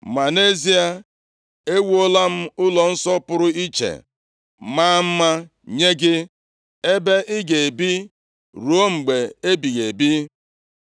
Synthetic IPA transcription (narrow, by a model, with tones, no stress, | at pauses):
ma˨ne˦zi˦a˦ | e˦wu˦o˦la˦m̩˦ʊ˦lɔ˨n̩˦sɔ˦pʊ˦ɾʊ˦i˦t͡ʃḛ˨ | ma˦m̩˦ma˦ | ɲe˦ɡɪ˦ | e˦be˦ʔɪ˦ɡe˨e˨bi˦ | ɾu˨o˦ŋ͡m̩˨ɡ͡be˨e˦bi˨ɣe˨bi˦